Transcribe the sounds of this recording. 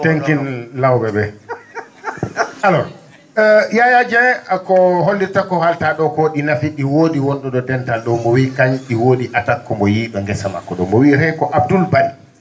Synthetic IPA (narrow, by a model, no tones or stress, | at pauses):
teŋkinlawbɛɓɛ | alɔ | jajad͡ʒɛkɔɦolːiɾtakːɔhaltaɗɔkoɗinafiɗiwoːɗiwɔnɗɔɗɔdɛntalɗɔmɔwikaɲɗiwoːɗiʔatakːɔmɔjiːɗɔŋɡɛsama̰kːɔɗɔmɔwiɾɛkɔʔab̚dulbadi